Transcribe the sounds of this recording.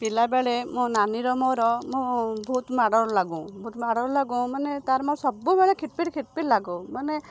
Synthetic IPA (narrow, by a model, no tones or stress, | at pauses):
pilabeɭemũnaniɾɔmɔɾɔmũbʱut̪maɽɔɾɔlaɡũbʱut̪maɽɔɾlaɡũmanet̪aɾɔmɔ̃sɔbubeɭekʰiʈ̪̚piʈkʰiʈ̪̚piʈlaɡõmane